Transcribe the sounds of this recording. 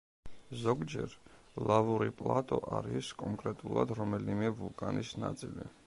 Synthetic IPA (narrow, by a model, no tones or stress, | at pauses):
zɔɡd͡ʒɛɾ | lˠavuɾipʼlˠat̪ʼɔʔaɾiskʼɔŋkʼɾɛt̪ʼulˠad̪ɾɔmɛlimɛvulˠkʼanisnat̪sʼili